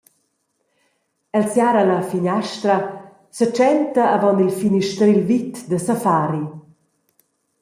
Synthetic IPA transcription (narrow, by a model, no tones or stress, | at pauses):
ɛlsjaːɾalafiɲɛʃt̪ɾa | sət͡ʃɛnt̪aːvɔnilfiniʃt̪ɾilvit̪d̪əsafaːɾi